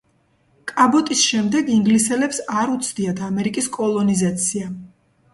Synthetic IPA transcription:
kʼabɔt̪ʼisʃɛmd̪ɛɡiŋɡlisɛlɛpsaɾut̪sʰd̪iad̪ʰamɛɾikʼiskʼɔlˠɔnizat̪sʰia

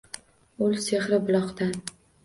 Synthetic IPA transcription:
ʊlˠseχɾɪbʊlˠɒqt̪an

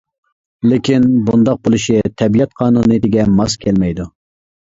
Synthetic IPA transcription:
lɪkʲʰinbund̪ɑq̚bolˠɨʃit̪ʰɛbijɛt̪̚qʰɑːnunɨt̪ɪɡʲɛmɑskʲʰɛlmɛjd̪u

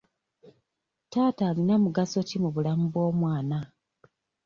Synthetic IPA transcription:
taːtaːlinamuɡasocimuβulamuβo̞ːmwaːna

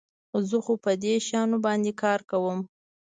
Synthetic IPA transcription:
zəxopəd̪eʃɑnobɑnd̪ekɑɾkawəm

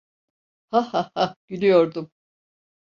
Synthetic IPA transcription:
hahahaɟ̥ynyjo̞ɾd̪um

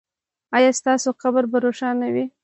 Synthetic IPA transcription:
ɑjɑst̪ɑsoxabɾbaɾoʃɑnawi

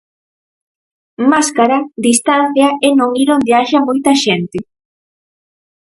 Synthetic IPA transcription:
maskaɾad̪ist̪an̟θjaenõŋiɾond̪eaʃamojt̪ɐʃɛnt̪ɪ

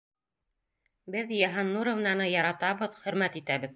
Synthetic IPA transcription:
bɘðjæɦɑnːuɾŏvnɑnɤjɑɾɑt̪ɑβɤðχɵ̆ɾmæt̪it̪æβɘð

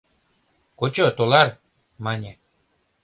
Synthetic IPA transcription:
kot͡ɕot̪olaɾ | manʲe

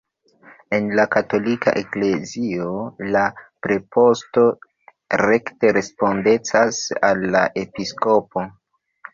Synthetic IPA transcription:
e̞nlakato̞lika̰ʔekle̞zio̞lapɾe̞po̞sto̞ | ɾe̞kte̞ɾe̞spo̞nde̞t͡sasalːaʔe̞pisko̞po̞

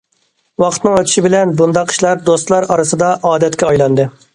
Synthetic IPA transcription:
wɑqʰət̪nɨŋøt̪ʰʃibɪlɛnbund̪ɑqʰːə̥ʃlˠɑɾd̪ost̪lˠɑɾɑɾɨsɨd̪ɑʔɑːd̪ɛt̪kʲɛɑjlˠɑnd̪ɨ

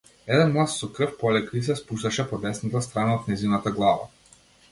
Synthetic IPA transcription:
ɛd̪ɛnmlˠassɔkrɤfpɔlɛkɾis̬ɛspuʃt̪aʃɛpɔd̪ɛsnat̪ast̪ɾanaot̪̚nɛzinat̪aɡlˠava̰

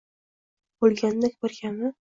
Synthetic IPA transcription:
bolˠɡʲand̪akʲboɾɡʲanmɪ

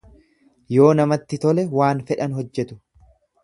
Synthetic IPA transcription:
jo̞ːnɐmɐt̪ːɪt̪ɔlɛwaːnfɛᶑɐnɦɔd͡ʒːɛt̪ʊ̥

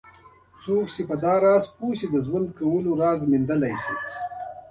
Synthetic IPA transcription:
soːksepəd̪ɑːɾɑzpusid̪əʒwand̪̚kawəloɾɑzmɪnd̪əlajsi

